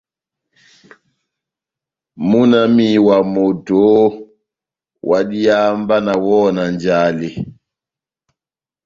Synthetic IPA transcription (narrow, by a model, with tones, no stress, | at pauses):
mu˦na˦mi˦˨wa˨mo˨to˨˦ | wa˨ɗi˦a˦mba˦na˨wɔ˦na˨nd͡ʒa˦le˨